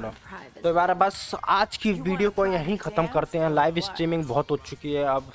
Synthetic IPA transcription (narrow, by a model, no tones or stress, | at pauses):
ot̪obaːɾebɐsaːd͡ʒkiʋiːɖijokojɐɦĩxʰɐt̪əmkɐɾt̪eɦɛ̃laːɪʋɪsʈɾiːmɪ̃ŋɡbɔːt̪ɦot͡ʃt͡ʃʊkiɦɛɐb